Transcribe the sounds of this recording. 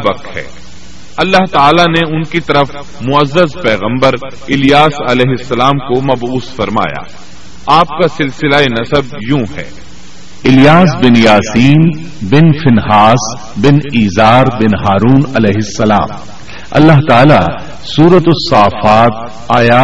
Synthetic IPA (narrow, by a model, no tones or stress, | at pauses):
bɐkɦɛ̰ː | ɐlːaɦt̪aːlaneʊnkit̪ɐɾəf | mʊɐzːəzpɛːɣə̃mbəɾ | ɪlɪjaːsɐlɛːɦɪsːɐlaːmkomɐbuːsfɐɾma̰ːja̰ː | aːp̚kasɪlsɪlaenɐsəb̚jũːɦɛ̰ː | ɪljaːs̬bɪnjaːsiːn | bɪnfɪnɦaːs | bɪniːzaːɾbɪnɦaːɾuːnɐlɛːɦɪsːɐla̰ːm | ɐ̰lːaɦt̪aːla | suːɾət̪ʊsːaːfaːt̪̚ | aːjaː